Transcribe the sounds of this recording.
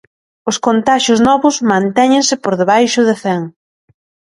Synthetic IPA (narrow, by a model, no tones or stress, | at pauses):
ʊskont̪aʃʊznɔβʊzmãnt̪ɛɲɪ̃ŋsɪpoɾðeβajʃʊðɪθɛŋ